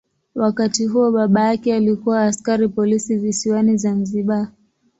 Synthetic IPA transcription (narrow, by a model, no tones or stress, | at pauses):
wakatiɦuɔɓaɓajakɛalikuwaːskaɾipɔlisivisiwanizanziɓa